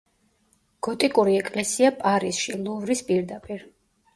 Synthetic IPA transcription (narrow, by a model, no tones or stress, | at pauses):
ɡ̥ɔt̪ʼikʼuɾiɛkʼlɛsiapʼaɾisʃilˠuvɾispʼiɾd̪apʼiɾ